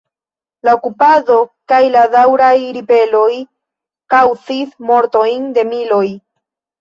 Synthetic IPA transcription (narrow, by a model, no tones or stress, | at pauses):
laokupado̞kajladawɾajɾipe̞lo̞j | kawt͡sismo̞ɾto̞jnde̞milo̞j